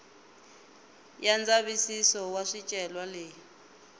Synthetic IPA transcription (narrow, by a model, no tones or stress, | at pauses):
jand͡zaβisisɔwaʂit͡ʃʼɛlwaleːji